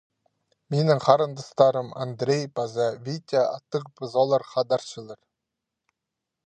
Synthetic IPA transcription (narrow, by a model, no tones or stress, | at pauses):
menɪŋχʰɑɾənd̪əst̪ɑɾəma̰nd̪ɾʲejbazɑvʲit̪ʲaɑt̪ːəqbɨzolˠɑɾχɑd̪ɑɾʃəlˠəɾ